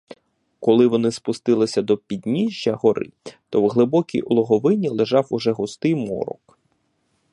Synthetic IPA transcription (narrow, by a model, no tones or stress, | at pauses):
kɔlˠɪʋɔnɪspʊst̪ɪlˠɪsʲɐd̪ɔpʲid̪ʲnʲiʒʲjɐɦɔɾɪ̰t̪ɔwɦlˠɪbɔkʲḭjɔlˠɔɦɔʋɪnʲilˠeʒɑwʊʒɛɦʊst̪ɪjmɔ̰ɾɔ̰k